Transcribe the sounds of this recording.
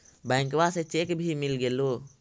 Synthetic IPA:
bɛŋkʋasɛt͡ʃɛkbʱiːmɪlɡeloː

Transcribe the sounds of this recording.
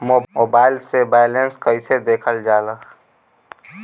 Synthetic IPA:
moːoːbaːɪlsebaːɪlenskəɪsed̪eːkʰəld͡ʒaːlə

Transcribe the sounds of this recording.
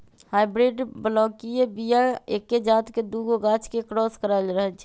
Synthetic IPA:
hajbɾeɖbəlɔkijebijaekːed͡ʒat̪ked̪uɡoɡat͡ʃʰkekɾɔskəɾaɪlɾəɦɛlt͡ʃʰɛ

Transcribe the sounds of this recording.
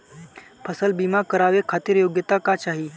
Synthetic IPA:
pʰəsəlbimakəɾaʋekʰat̪iːɾjoɡjət̪akat͡ʃaɦi

